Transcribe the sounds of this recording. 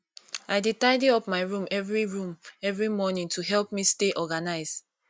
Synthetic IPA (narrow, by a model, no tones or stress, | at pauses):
aɪditaɪdeɔpmaɪɹũmɛvɹiɹũmɛvɹimɔnĩŋtʰuɦɛlp̚misteʔɔɡanaɪz